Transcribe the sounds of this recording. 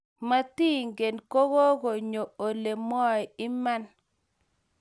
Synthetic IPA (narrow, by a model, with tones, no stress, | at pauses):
ma˦ti˦ŋɡe˨nko˦ɣo˦ɡo˨ɲo˨o˨le˨mɔ˦jɪ˦ma˦n